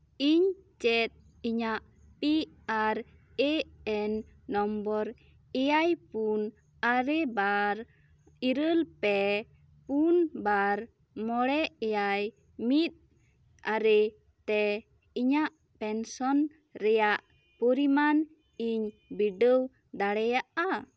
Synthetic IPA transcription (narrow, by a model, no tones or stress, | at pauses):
iɲt͡ʃɛt̪̚ | iɲaʔ | pi | aɾ | ɛɛnːɔmbɔɾ | ɛjajpun | aɾɛbaɾ | iɾəlpɛ | punbaɾ | mɔɽɛɛjaj | mit̪̚ | aɾɛ | t̪ɛ | iɲaʔ | pɛnsɔn | ɾɛjaʔ | pɔɾiman | iɲ | biɖəw | d̪aɽɛjaʔa